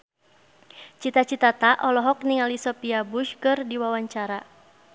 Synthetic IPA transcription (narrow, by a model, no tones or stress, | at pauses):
t͡ʃit̪at͡ʃit̪at̪aʔɔlɔɦɔk̚niŋalisɔpiabuʃkɨrdiwawaɲt͡ʃaɾa